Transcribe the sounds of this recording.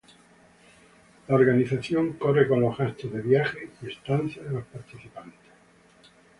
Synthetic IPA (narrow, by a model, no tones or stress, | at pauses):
laoɾɣaniθaθjo̞ŋko̞reko̞nohast̪oðeβjaxeiest̪an̟θjaðelo̞spaɾt̪iθipant̪e̥s